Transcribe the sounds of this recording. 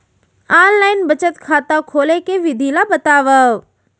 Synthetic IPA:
aːnlaːɪnbət͡ʃət̪kʰaːt̪akʰoːlekeʋɪd̪ʱilabɐt̪aːʋa

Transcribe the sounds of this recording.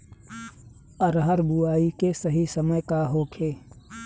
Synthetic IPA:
ɐɾɦəɾbuaːikesɐɦisɐməjkaɦoːkʰeː

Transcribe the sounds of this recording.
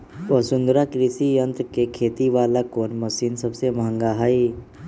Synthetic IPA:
ʋəsʊnd̪ɾakɾɪsijə̃nt̪kekʰeːt̪iʋaːlakoːnməsiːnsəbsemɐɦə̃ŋɡaɦaːi

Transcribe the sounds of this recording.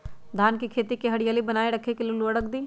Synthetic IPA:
d̪ʱaːnkikʰeːt̪ikeɦɐɽijaːlibɐnaːeɾɐkʰekeliloːɽəkd̪iː

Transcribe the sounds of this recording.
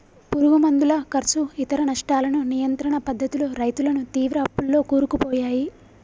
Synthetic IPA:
puɾuɡumɐnd̪ulɐkɐɾsuit̪ɐɾɐnɐʂʈaːlɐnunijɐnt̪ɾɐɳɐpɐd̪ːɐt̪uluɾɐjt̪ulɐnut̪iːʋɾɐɐpːulːo̞ːkuːɾukupɔːjaːji

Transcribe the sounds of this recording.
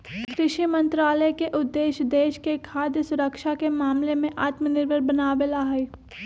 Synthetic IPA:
kɾɪʃimɐ̃nt̪ɾaːləkeʔʊd̪ːeːʃd̪eːʃkekʰaːd̪jəsʊɾəkʃakemaːmlemẽʔaːt̪mənɪɾʋəɾbɐnaːʋelaɦɛ

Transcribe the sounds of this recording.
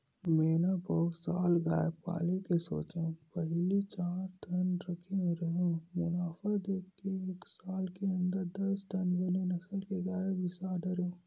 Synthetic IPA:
meːnabɔɡsaːlɡaːepa̰ːlekeso̰ːt͡ʃẽpɐɦlit͡ʃaːɾt̪ʰɐnɾɐkʰẽɾɐɦõmʊnaːfad̪eːkkeeːksaːlkeə̃nd̪əɾd̪ɐsʈɐnbenenɐsəlkeɡaːebɪsaːɖəɾẽ

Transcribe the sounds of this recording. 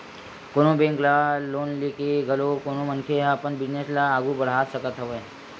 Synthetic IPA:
konõbẽŋklaloːnlekeɡəlokonomənkʰeɦapənbid͡ʒneslaːɡubəɽ̤aːsəkət̪ɦəʋə

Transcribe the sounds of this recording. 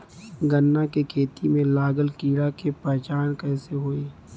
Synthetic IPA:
ɡənːakekʰeːt̪imẽlaːɡəlkiːɽakepɛɦt͡ʃaːnkɛːseɦoːeː

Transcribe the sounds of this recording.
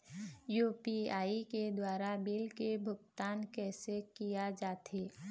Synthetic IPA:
juːpiaːiked̪waːɾabɪlkebʱʊɡt̪aːnkɛːsekijad͡ʒaːt̪eː

